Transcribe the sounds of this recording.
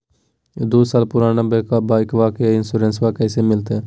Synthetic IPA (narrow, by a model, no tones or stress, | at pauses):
d̪oːsaːlpʊɾaːnãːbeːkabaːɪkʋaːkeɪnsuːɾẽːnsʋaːkɛːseːmɪlt̪eː